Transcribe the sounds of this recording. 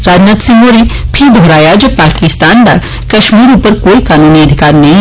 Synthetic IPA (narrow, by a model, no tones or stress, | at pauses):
ɾaːd͡ʒnat̪sɪ̃ŋɡoɾipʰɪɾd̪ʱoːɾaːjad͡ʒɐbpaːkɪst̪aːnd̪a̰ | kɐʃmiːɾupəɾkoːikaːnuːniɐd̪ʱɪkaːɾnɐɦĩ